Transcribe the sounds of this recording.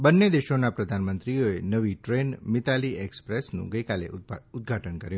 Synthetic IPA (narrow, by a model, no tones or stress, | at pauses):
bənːed̪eʃonapɾəd̪ʱanmənt̪ɾioenəʋiʈɾenmɪt̪aliɛkspɾesnṵ̃ɡəjkalḛʊd̪̚ɡʱaʈənkəɾjũ